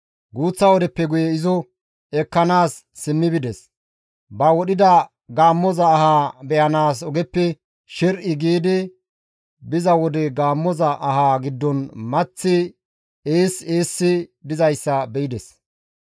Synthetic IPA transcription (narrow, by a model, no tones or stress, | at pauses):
ɡuːt͡sːɐwɔd̪ɛpːɛɡʊjɛɪzɔ | ɛkːɐnaːsː | ɪmːɪbɪd̪ɛs | bɐwɔɗɪd̪ɐ | ɡaːmːɔzɐːhaːbɛjɐnaːsɔɡɛpːɛ | ʃɛɾʔɪɡiːd̪ɪ | bɪzɐwɔd̪ɛɡaːmːɔzɐʔɐɦaːɡɪd̪ːɔnmɐt͡sːɪ | eːseːsːɪd̪ɪzɐjsːɐbɛɪd̪ɛs